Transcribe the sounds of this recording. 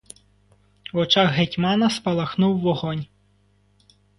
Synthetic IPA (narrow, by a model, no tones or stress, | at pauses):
wɔt͡ʃaɣɦetʲmɑnɐspɐlˠɐxnuwːɔɣɔnʲ